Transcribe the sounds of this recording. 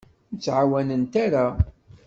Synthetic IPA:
ət͡sːʕawænənt̪aɾa

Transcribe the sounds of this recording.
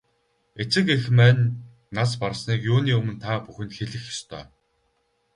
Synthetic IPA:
et͡sɘ̆kexmæːnː | asparsniːkjuːniːɵmɵ̆nt̪ʰaːpuxʲɘ̆nxeɮɘ̆xjɔst̪ʰœ̰ː

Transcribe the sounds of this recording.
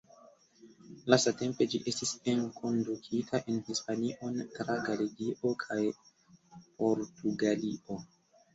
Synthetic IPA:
lasate̞mpe̞d͡ʒiʔe̞stisenkʰo̞ndukʰitʰaʔe̞nhispaniʔo̞ntɾaɡalidiʔo̞kʰaj | pʰo̞ɾtuɡalio̞

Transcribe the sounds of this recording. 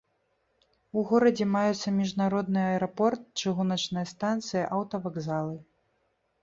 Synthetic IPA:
uɣɔɾɐd͡zʲɛmajut̪sːɐmʲiʐnaɾɔd̪nɨjɐɐɛɾɐpɔrt̪̚t͡ʂɨɣunɐt͡ʂnɨjɐst̪ant̪sɨjɐʔɐwt̪ɐvaɡzalˠɨ

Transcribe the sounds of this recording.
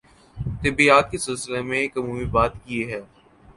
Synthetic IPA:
t̪ɪbiaːk̪kesɪlsɪlemẽːkɐmuːmibaːt̪kieɦɛː

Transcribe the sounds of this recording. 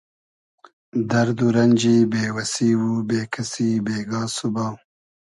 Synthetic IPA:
d̪ɐɾd̪uɾɐnʲd͡ʒiːbeːwɐsiːwubeːkʰɐsiːbeːɡɑːsubaw

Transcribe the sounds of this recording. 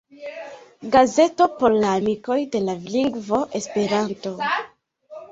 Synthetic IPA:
ɡaze̞to̞po̞ɾlaːmiko̞jde̞lavliŋɡvo̞ʔe̞spe̞ɾanto̞

